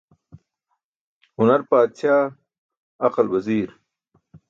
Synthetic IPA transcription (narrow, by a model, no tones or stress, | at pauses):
hʊnɐɾpaːt̪ɕaː | ɐqɐlwɐziːɾ